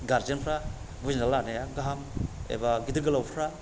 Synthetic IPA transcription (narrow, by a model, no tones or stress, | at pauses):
ɡaɾd͡ʒenpʰɾa | buzinalanajaɡaɦamḛbaɡidɯɡɐlawpʰɾa